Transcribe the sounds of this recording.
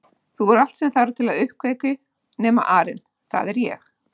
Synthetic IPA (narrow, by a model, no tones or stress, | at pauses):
θuvɔɾal̥t̪sɛmθaːɾʏt̪ʰɪlaðʏhkveːjkʏ | nɛːma̰ʔaːɾɪn | θa̰ðɛɾjɛ̰x